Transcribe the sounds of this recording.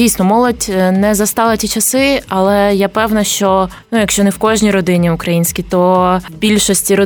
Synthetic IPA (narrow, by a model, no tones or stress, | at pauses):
ijsnɔmɔlˠɔdʲnɛzɐst̪ɑlˠɐtʲit͡ʃɐsɪɐlˠɛjapɛwnɐʃt͡ʃɔ | nujɐkʃt͡ʃɔnɛwkɔʒnʲijɾɔd̪ɪnʲiʊkɾɐjinʲsʲkʲit̪ɔbʲilʲʃɔsʲtʲiɾɔ